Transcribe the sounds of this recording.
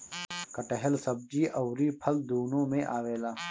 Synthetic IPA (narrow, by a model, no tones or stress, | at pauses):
kɐʈəɦəlsɐb̚d͡ʒiːʔɐʊɾiːpʰɐld̪uːnõːmẽʔaːweːlaː